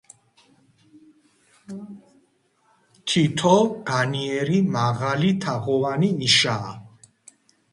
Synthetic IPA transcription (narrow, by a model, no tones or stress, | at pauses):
t̪ʰit̪ʰɔɡ̥aniɛɾimaʁalit̪ʰaʁɔvaniːʃaː